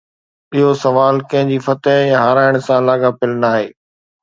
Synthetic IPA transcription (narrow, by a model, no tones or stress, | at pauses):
iɦosɐʋaːlkɐ̃ɦɪ̃ɲd͡ʑiːfɐt̪əɦjãɦaːɾaːɪɽ̃sãlaːɡapɪlənaːɦeː